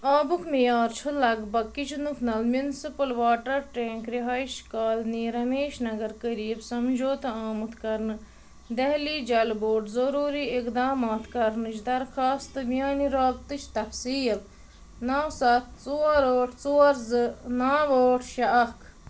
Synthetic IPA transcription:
aːbukʰmijaːɾt͡ʃʰulɐɡbɐkːit͡ʃʰnukʰnɐlmjunsipɨlʋaːʈɐɾʈẽːŋkɾiɦaːiʃkaːlniːɾɐmeːʃnɐɡɐɾkəɾiːbsɐmd͡ʒoːt̪ɐaːmɐt̪kɐɾnɨ | d̪ɐɦlid͡ʒɐlboːʈzɐɾuːɾiɪkd̪aːmaːt̪kɐɾnɨt͡ʃd̪ɐɾxaːst̪ɨmjaːniɾaːɡ̚t̪ɨt͡ʃʰt̪ɐfsiːk | nɐwsɐt̪t͡suɐɾoːʈʰt͡suɐɾznaːʋoːʈʰʃɐɐkʰ

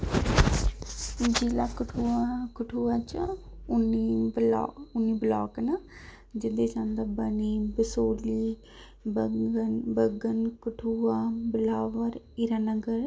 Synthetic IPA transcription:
d͡ʒeːlaːkəʈʰuakəʈʰuːaːt͡ʃʊnːiːbl̰ːʊnːiːblaːknə | d͡ʒɪd̪eːt͡ʃãːnd̪abəniːbəsoːliː | bəənbəɡənkəʈʰuːaːbɪlaːʋəɾ | ɪɾaːnəɡəɾ

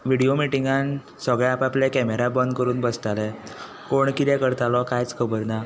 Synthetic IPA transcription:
ʋiɽijomiʈiŋɡan | səɡɭɛapaplakɛmeɾabənd̪kəɾuːnbəst̪alɛ | koɳkit̪ɛ̃kəɾt̪alɔkajt͡skʰəbəɾna

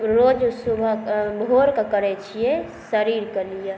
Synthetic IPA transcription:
ɾod͡ʒsubʱbʱoɾkakəɾet͡ʃʰije | səɾiːɾkəlija

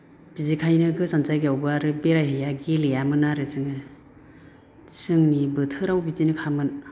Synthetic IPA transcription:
b̥izekʰajnɯɡɯsansajɡiawbɯaɾɯbeɾajhejaɡilejamɯnaɾɯzɯŋɯ | sɯŋnibɯtʰɯɾawbizinɯkʰamɯn

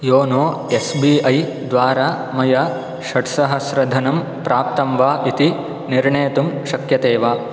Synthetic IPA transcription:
joːnoː | esbiːɐj | d̪ʋaːɾaː | mɐjɐ | ʃɐʈsɐɦɐsɾɐd̪ʱɐnɐm | pɾaːp̚t̪ɐmʋaːʔit̪i | niɾɳeːt̪umʃɐkjɐt̪eːʋaː

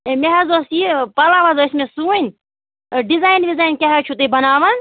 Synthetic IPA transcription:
meɦɐzoːsipɐlaʋɐzoːismesuːnʲ | ɖizaːjnʋizaːjnkʲaɦat͡ʃʰut̪ebɐnaːʋɐn

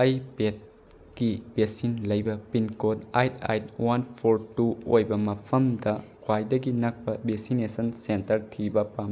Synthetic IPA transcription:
ɐjpet̚ | kib̥esinlɐjbɐpinkotajta̰jt̚wanpʰoɾtuojbɐmɐpʰɐmdɐkʰwajdɐɡinɐk̚pɐbesinesɐnsentɐɾtʰibɐpam

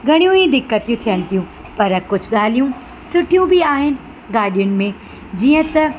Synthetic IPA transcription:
ɡʱɐɽ̃ijũid̪ɪkːət̪ijũt̪ʰijənɪ̆t̪ʰijũ | pɐɾkʊd͡ʑʱʊɠaːlijũ | sʊʈʰijũbʱiaːɦɪnɪ̆ | ɡaːɾɗijʊnɪ̆mẽ | d͡ʑiːə̃t̪ɐ

